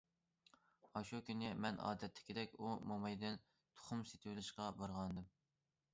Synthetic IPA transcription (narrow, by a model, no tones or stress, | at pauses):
ɑʃukʲynɪmɛnɑ̰ːd̪ɛt̪ʰːɪ̥kʲʰid̪ɛkʲumomɑjd̪ɛn | t̪ʰo̥χʊmset̪ʰɪwɪlɪʃqɑbɑɾʁɑnd̪ɨm